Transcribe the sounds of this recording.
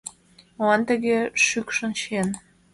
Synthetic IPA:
oɑnt̪ə̆ɣeʃykʃənʃen

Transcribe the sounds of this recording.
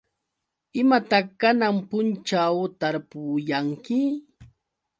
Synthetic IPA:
ɪmat̪aχkanampʊnt͡ʃawt̪aɾpʊjaŋkɪ

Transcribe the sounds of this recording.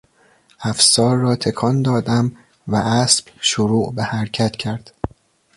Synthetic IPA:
æfsɒːɾːɒːt̪ʰe̞kʰɒnd̪ɒːd̪æm | væʔæsbʃoɾuːʔbehæɾcʰæt̪cʰæɾd̪̥

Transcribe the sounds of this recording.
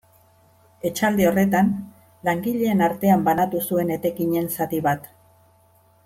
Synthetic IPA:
e̞t͡ʃald̪eo̞re̞t̪an | laŋɡiʎe̞ːnaɾt̪e̞ambanat̪usue̞ne̞t̪e̞kiɲe̞nsat̪iβat̪

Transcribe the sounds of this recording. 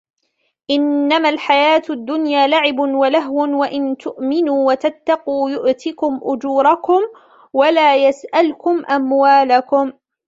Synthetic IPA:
ʔɪnːamalħajaːt̪ad̪ːʊnjaːlaʕɪbʊnwalaɦwʊnwaʔɪnt̪ʊʔmɪnuːwat̪at̪ːɑquːjʊʔt̪ɪkʊmʔʊd͡ʒuːɾˤɑkʊm | walaːjasʔalkʊmʔamwaːlakʊm

